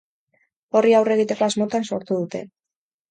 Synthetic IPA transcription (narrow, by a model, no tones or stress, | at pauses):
o̞riawre̞ɣ̞it̪e̞ko̞azmo̞t̪anso̞ɾt̪uðut̪e̞̰